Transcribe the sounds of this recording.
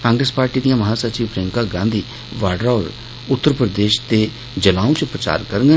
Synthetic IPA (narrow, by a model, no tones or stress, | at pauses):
kãːŋɡɾəspaːɾʈiːd̪ijãːməɦaːsəɾt͡ʃiːʋpɾẽːŋkaːɡãːnd̪iː | ʋaːɖɾaːɾ | ʊt̪ːəɾpɾəd̪eːʃt̪eː | d͡ʒəlãːũːt͡ʃpɾət͡ʃa̰ːɾkəɾŋɡə